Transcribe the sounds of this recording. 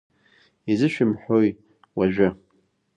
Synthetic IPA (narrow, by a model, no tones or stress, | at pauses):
izɨʃᶣɪmħoj | waʒᶣʊ